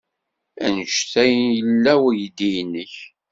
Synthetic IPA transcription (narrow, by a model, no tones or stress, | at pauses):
ænəʃθæjənjəlːæwæjd̪ijnːəç